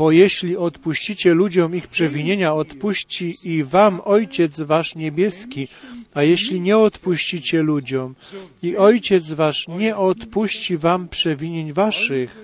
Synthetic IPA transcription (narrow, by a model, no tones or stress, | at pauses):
bɔjɛɕlʲiɔt̪puɕt͡ɕit͡ɕɛlud͡ʑɔmixpʂɛvʲiɲeɲaɔt̪puɕt͡ɕiivamɔjt͡ɕɛt̪zvaʂɲɛbʲjɛskʲiajɛɕlʲiɲɛɔt̪puɕt͡ɕit͡ɕɛlud͡ʑɔmiɔjt͡ɕɛt̪zvaʂɲɛʔɔt̪puɕt͡ɕivampʂɛvʲiɲeɲvaʂɘx